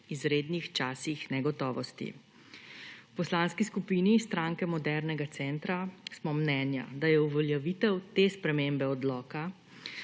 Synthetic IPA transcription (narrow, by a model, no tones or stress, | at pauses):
izɾeːd̪nixt͡ʃaːsixnɛɡɔt̪ɔːʋɔst̪ḭ | wpɔslanskiskupiːnist̪ɾaːŋkɛmɔd̪ɛɾnɛɡat̪sɛnt̪ɾasmɔmnɛːnja̰d̪ajɛuʋɔljɛʋit̪ɛwt̪espɾɛmembɛɔd̪lɔːka